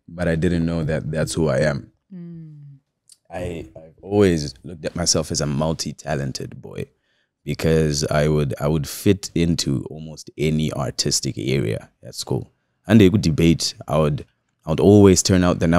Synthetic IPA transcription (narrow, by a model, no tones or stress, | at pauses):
b̥ʌɾaɪdɪdⁿn̩noʊðɨt̪̚ðætshuaɪɨ̃m | aɪaɪvɔlˠwizlʊk̚tɨt̚maɪsɛlˠfɨzəmʌlˠtʰitʰælˠɨ̃ntʰɨ̰d̚bɔ̰ɪ | b̥ɨkʰʌza̰ɪwəda̰ɪwəd̥fɪɾɪ̃ntʰṵʔɔlˠmoʊstɛniʔɑ̰ɹtʰɪstɨkɛ̰ɹḭɨ̰ | ɨ̰tskṵlˠ | ɨ̃ndɨɡdɨbeɪta̰ɪwəd | aɪwəɾɔlˠwiz̥tʰɜ̃˞naʊt̪̚ðɨ̃na